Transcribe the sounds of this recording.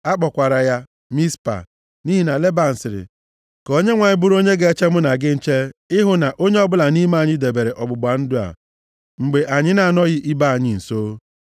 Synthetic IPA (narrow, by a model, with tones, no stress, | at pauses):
a˦k͡pɔ˨kʷa˨ɾa˨ja˦ | mi˦spa̰˨ | ni˦ɦi˨na˨le˦ba˨n̩˨sɪ˨ɾɪ̰˨ | ko˦ɲe˦ŋʷa˨ɲɪ˦bʊ˦ɾo˦ɲe˦ɡe˦e˦t͡ʃe˦mʊ˦na˨ɡɪ˦n̩˦t͡ʃe˦ɪ˦ɦʊ˦na˨ʔo˦ɲe˦ɔ˦bʊ˦la˨ni˦ma˦a˨ɲɪ˦de˨be˨ɾe˨ʔɔ˨bʊ˨ɡ͡ba˨n̩˦dʊ˦a̰˨ | ŋ͡m̩˨ɡ͡be˨ʔa˨ɲɪ˦na˨a˨nɔ˦ɣɪ˦ʔi˦ba˦a˨ɲɪ˨n̩˨so˦